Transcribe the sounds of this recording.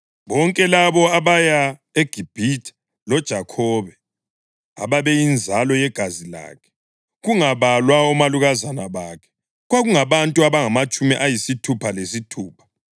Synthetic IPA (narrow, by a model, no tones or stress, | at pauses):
βɔŋkʼɛlaβɔaβaja | eɡ̥ʱib̥ʱitʰḁ | lɔd̥ʒ̥ʱakʰɔːβɛ | a̰βaβɛjind͡zʱalɔjɛɡ̥ʱazila̰ːkʰɛ̥ | ɣuŋaβalwaɔmaluɣazanaβakʰɛ̥ | ɣwaɣuŋaβantʼuaβaŋamat͡ʃʼumiʔajisitʰupʰalesitʰuːpʰḁ